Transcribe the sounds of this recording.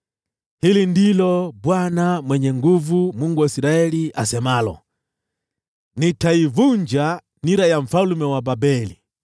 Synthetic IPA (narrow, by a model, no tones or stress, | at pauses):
hilindilɔbwanamwɛɲɛŋɡuvumuŋɡuwaisiɾaɛliʔasɛmalɔ̰ | nitaivuɲd͡ʒa | niɾajaɱ̩falumɛwababɛli